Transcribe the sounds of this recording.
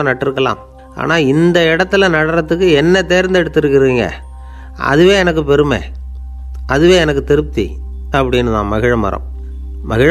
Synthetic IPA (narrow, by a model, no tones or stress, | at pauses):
ɐnɐʈːɪɾɯkːɐla̰ːm | a̰ːnaːɪnd̪ɐɪɽɐt̪ːɯlɐnɐɽɐɾɐt̪ːɯkːɯɛnːɐt̪eːɾnd̪ɛɽɯt̪ːɯɾɯkːɪɾɯiːŋɡɐ̰ | ɐ̰ðɯʋẽːɛnɐkːɯpɛɾɯmḛː | ɐðɯʋeːɛnɐkːɯt̪ɪɾɯp̚t̪ːḭ | ɐpːɐɽɪnːɯðã̰ːmɐɣɪɻɐmɐ̰ɾɐ̰m | mɐɣɪɻ